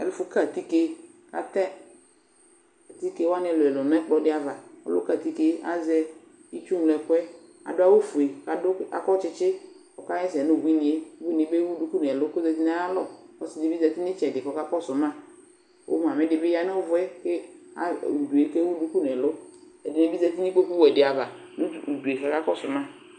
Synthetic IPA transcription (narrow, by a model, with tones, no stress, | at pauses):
ɛ̰˨lʊ˦fʊ˦ka˦˨t̪i˦ke˦ | ka̰˨t̪ɛ˦ | a˨t̪i˦ke˦wa˦nɪ˦ɛ˨lʊ˨ɛ˨lʊ˨n˦ɛ˦k͡pɔ˦dɪ˦a˨va˨ɔ̰˦lʊ̰˦ka˦˨t̪i˦ke˦a̰˦zɛ˦ | i˦t͡ʃu˦ŋ˨lɛ˨kʊ˦ɛ˦ | a̰˨dʊ˦a˦wo˦fu˨e˨ka˨dʊ˦a̰˨kɔ˦t͡ʃɪ˦t͡ʃɪ˦ | kɔ˨ka˦jɛ˦sɛ˨nʊ˦˨bi˦nɪ˨e˦u˦i˦ni˨˦be˦wu˦du˦ku˦nɛ˨lʊ˦ko˦zɛ˧ti˦nɛ˦a˦lɔ˦˨ɔ̰˦sɪ˨dɪ˨bi˦zɛ˧ti˦nɪ˦t͡ʃɛ˨dɪ˨kɔ˨˦ka˦kɔ˦sʊ˨mã˦ | o̰˦m˨a˨mɪ˦dɪ˨be˦ja˦nɛ˦vʊ˦ɛ˦ke˦a̰˦˨u˨du˨e˦ke˦wu˦du˦ku˦n˨ɛ˨lʊ˦ɛ˨dɪ˨nɛ˨˦bi˦zɛ˧ti˦ni˦ko˦ku˦wɛ˨dɪ˨a˨va˨nu˦˨u˨du˨e˨ka˨˦ka˦kɔ˦sʊ˨mã˦